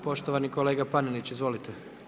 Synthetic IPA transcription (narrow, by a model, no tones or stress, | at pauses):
po̞ʃt̪oʋaniko̞le̞ːɡapanilit͡ɕizʋo̞lit̪ʰe